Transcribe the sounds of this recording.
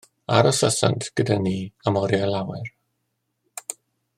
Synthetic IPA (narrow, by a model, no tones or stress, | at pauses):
aɾɔsəsa̰ntʰɡ̥ədaniamɔɾjalˠawɛr